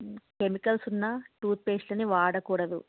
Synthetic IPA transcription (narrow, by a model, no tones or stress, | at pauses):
kemikɐlsunːɐʈuːt̪̚peːslɐniʋaːɽɐkuːɽɐd̪ṵ